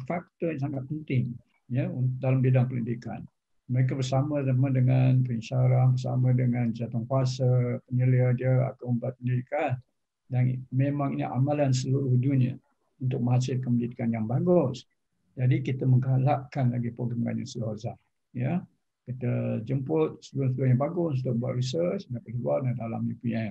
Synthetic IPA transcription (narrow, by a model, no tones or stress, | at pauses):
fak̚t̪ɔjas̬aŋat̪̚pənt̪ɪŋ | jəundalambidaŋpələndika̰n | məɾek̬abərsaməamədəŋanpəinʃaɾahbərsa̰mədəŋand͡ʒat̪ɔŋkuasəpəniliahdiəa̰t̪aməmbuat̪̚pəndidikan | danmemãŋinḭʔa̰malans̬əluɾʊhduniə̰ | unt̪ʊk̚mə̃ɦasɪlkəməlidikanjaŋbaɡʊs | d͡ʒadikit̪əməŋɡalaʔkanlaɡipoɡɾamɡa̰ɲa̰silhaza | jə | kit̪əd͡ʒəmpʊt̪̚səbɾʊsəluʊhɲabaɡʊnut̪ʊʔ̚bua̰ʔ̪risəsdapatuarandala̰mɲəpua